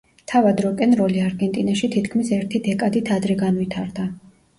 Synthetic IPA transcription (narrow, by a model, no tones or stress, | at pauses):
t̪ʰavad̪ɾɔkʼɛnɾɔliaɾɡɛnt̪ʼinaʃit̪ʰit̪kʰmisɛɾt̪ʰid̪ɛkʼad̪it̪ʰad̪ɾɛɡanvit̪ʰaɾd̪a